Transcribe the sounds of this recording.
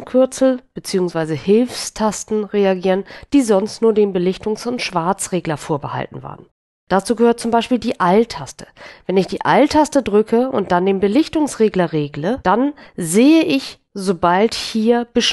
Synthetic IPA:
kʰʏɐt͡sl̩b̥ət͡siːʊŋsv̥aɪzəhɪlfstʰastn̩ʁeaɡiːʁənd̥iːzɔnstnuːɐdeːmbəlɪçtʊŋsʊntʃv̥aɐt͡sʁeːɡlɐfoːɐbəha̰ltn̩va̰ːʁən | d̥at͡suːɡəhøːɐt̚t͡sʊmbaɪʃpiːldiːʔaltʰastə̥vɛnɪçd̥iːʔa̰ltʰastədʁʏkʰəʊ̰nt̚d̥andeːmbəlɪçtʊŋsʁeːɡlɐʁeːɡləd̥anzeːəʔɪç | zobalthiːɐb̥əʃ

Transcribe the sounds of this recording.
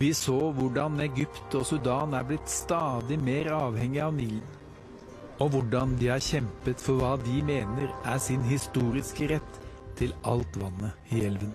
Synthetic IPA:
ʋɪsoːʋʊɖɑnɛɡʏpt̪ɔːsʉd̪ɑːnæːɾblɪt̪st̪ɑːd̪ɪmeːɾɑːʋhɛŋːɪɑʋniːlən | ɔʋʊɖɑnd̪ɪhɑːɾçɛmpət̪fɔɾʋɑːd̪ɪmeːnəɾæsɪnɦɪst̪uːɾɪskəɾɛt̪ʰː | ɪlʔɑlt̪ʋɑnːəɪɛlʋən

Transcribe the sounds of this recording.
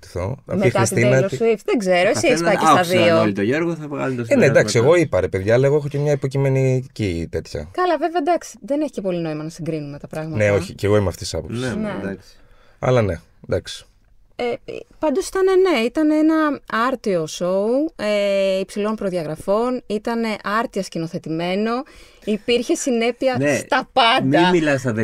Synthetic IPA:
t̪i̥θo̰ɐ̰ixɾist̪inɐifðeɡze̞ɾoesiesɐcesɐðioolt̪oʝeɾɣoθɐpoɣɐ̰lt̪osned̪ɐksieɣo̞ipɐɾepe̞ðʝɐːlɐeɣoexocemɲɐipo̞cime̞nicit̪e̞t̪çɐ̰kɐlɐve̞veɐd̪ɐksi̥ðe̞neçi̥ce̞po̞lino̞imɐnɐsiŋɡɾinume̞t̪ɐpɾɐɣmɐneo̞ɐiceɣo̞imeɐ̰ft̪esisɐ̰posined̪ɐks | ɐ̰lɐne̞ | d̪ɐksi̥ | ḛpɐnd̪osi̥t̪ɐne̞ne̞it̪ɐneenɐɐɾt̪io̞so̞ueipsilo̞mpɾo̞ðiɐɣɾɐfo̞nit̪ɐne̞ʔɐɾt̪iɐscino̞θe̞t̪ime̞no̞ | ipiɾçe̞sine̞piɐst̪ɐpɐndmimilɐsɐðe

